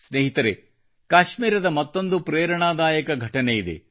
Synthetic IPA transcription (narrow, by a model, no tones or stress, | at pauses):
sneːɦit̪ɐɾe | kaːʃmiːɾɐd̪ɐmɐt̪ːo̞nd̪upɾeːɾɐɳaːd̪aːjɐkɐɡʱɐʈɐnejid̪e̞̰